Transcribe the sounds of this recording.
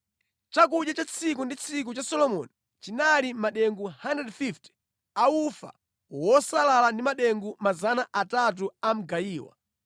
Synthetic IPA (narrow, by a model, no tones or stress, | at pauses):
t͡ʃak̬uɗjat͡ʃat͡sʰikundit͡sʰik̬ut͡ʃasɔlɔmɔ̰ni | t͡ʃinalimaɗɛŋɡuhandɛdfifti̥ | aufa̰ | wɔsalalandimaɗɛŋɡumazanaʔatat̬uam̩ɡajiːwa̰